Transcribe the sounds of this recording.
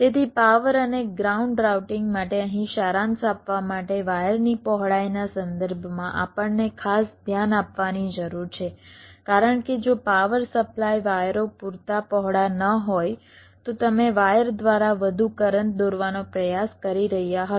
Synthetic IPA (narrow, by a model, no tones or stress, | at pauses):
t̪et̪ʰipaʋəɾəneɡɾauɳɖɾawʈɪŋɡmaʈeəɦĩʃaɾãnsapʋamaʈeʋajəɾnipɔɦɭajnasənd̪əɾbʱmãʔa̰pəɳːekʰasd̪ʱjanapʋanid͡ʒəɾuɾt͡ʃʰekaɾəɳked͡ʒopaʋəɾsəplajʋajɾopuɾt̪apɔɦɽanəɦoj | t̪ot̪əmeʋajəɾd̪ʋaɾaʋəd̪ʱukəɾəɳd̪oɾʋanopɾəjaskəɾiɾəɦijaɦət̪